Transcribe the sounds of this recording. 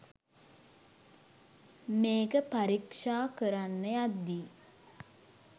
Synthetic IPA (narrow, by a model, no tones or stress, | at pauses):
meːkəpaɾikʂaːkəɾanːəjad̪ːi